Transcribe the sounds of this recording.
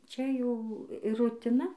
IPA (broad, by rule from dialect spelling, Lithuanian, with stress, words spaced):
ˈt͡ʃʲɛ ˈjɛʊ ɪ rʊtʲɪˈnɐ